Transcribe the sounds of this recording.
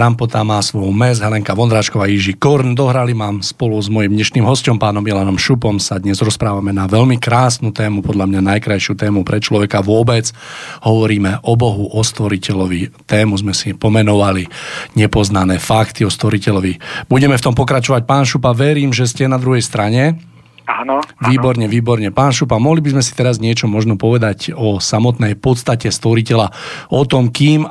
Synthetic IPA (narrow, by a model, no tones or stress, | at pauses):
t̪ɾampɔt̪amaːsʋɔjmɛzɦɛlɛŋkaʋɔnd̪ɾaːt͡ʃkɔʋaːjiʒikɔɾnd̪ɔɦɾalimaːmspɔluzmɔjimd̪ɲɛʃniːmɦɔscɔmpaːnɔmilanɔmʃupɔmsad̪ɲɛzɾɔspɾaːʋamɛnaʋɛʎmikɾaːsnut̪ɛːmupɔd̪ʎamɲanajkɾajʃɪut̪ɛːmupɾɛt͡ʃlɔʋɛkaʋʊɔbɛd͡zhɔʋɔɾiːmɛʔɔbɔɦuʔɔst̪ʋɔɾicɛʎɔʋit̪ɛːmuzmɛsipɔmɛnɔʋaliɲɛpɔznanɛːfakt̪iɔst̪ʋɔɾicɛʎɔʋib̥uɟɛmɛft̪ɔmpɔkɾat͡ʃɔʋac̚paːnʃupaʋɛɾiːmʒɛscɛnad̪ɾuɦɛjst̪ɾaɲɛ | anʋiːbɔɾɲɛʋiːbɔɾɲɛpaːnʃupamɔɦlibizmɛsi̥t̪ɛɾazɲɪɛt͡ʃɔmɔʒnɔpɔʋɛd̪acɔsamɔt̪nɛjpɔt̪st̪acɛst̪ʋɔɾicɛlaɔt̪ɔmkiːm